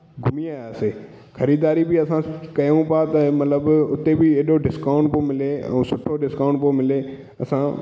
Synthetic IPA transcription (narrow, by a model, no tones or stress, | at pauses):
ɡʱʊmijaːaːseː | xɐɾiːd̪aːɾibʱiɐsãkɐjũpat̪ɐmɐt̪ləbʊt̪ːebʱieːɗoɖɪskaːʊ̃ɳʈpomɪleə̰̃ːsʊʈʰːoɖɪskaːʊ̃ɳʈpomɪleː | ɐsã